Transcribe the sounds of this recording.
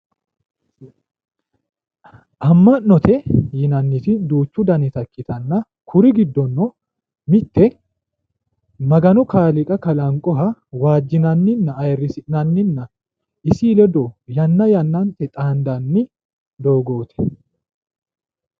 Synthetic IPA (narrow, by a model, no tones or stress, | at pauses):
ʔɐmːɐʔːɔt̪ʰɛjɪnɐnːɪt̪ɪd̪uːt͡ʃːʊd̪ɐnɛt̪ɐkːɪt̪ʰɐnːɐ | kʰʊɾɪɡɪd̪ːɔnːɔ | mɪt̪ːɛ | mɐɡɐnɔkaːlɪkʼɐkɐlɐŋkʼɔɦɐwaːd͡ʒːɪnɐnːɪnːɐːjɛrːɪsɪʔnɐnːɪnːɐ | ɪsiːlɛd̪ɔjɐnːɐjɐnːɐnt̪ɛt̪ʼaːnd̪ɐnːɪ | d̪o̞ːɡo̞ːt̪ʰɛ̥